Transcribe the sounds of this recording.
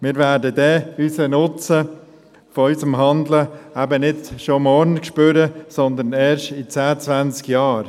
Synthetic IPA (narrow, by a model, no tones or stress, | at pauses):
mɪːɾvæːɾdədɛysənʊt͡sə | fɔysəmɦɑnd̪ləæbənɪdʃomɔɾnkʃpʏɾəsɔnd̪ənɛːɾʃtit͡sæːət͡sʋænt͡skjɑːɾ